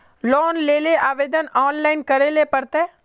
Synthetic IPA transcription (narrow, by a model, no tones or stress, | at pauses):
lɔːnleːleʔaːʋeːd̪ənɔːnlaːɪnkɐɾeːlepəɾt̪eː